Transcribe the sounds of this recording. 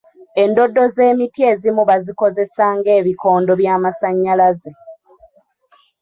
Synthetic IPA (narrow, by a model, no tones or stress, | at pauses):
e̞ndo̞dːo̞ze̞ːmitje̞ːzimuβaziko̞ze̞saːŋɡe̞ːβiko̞ːndo̞βjaːmasaɲːalaze̞